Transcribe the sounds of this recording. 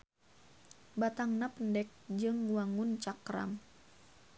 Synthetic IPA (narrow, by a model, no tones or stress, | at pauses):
bat̪aŋnapəndɛk̚d͡ʒɨŋwaŋunt͡ʃakɾa̰m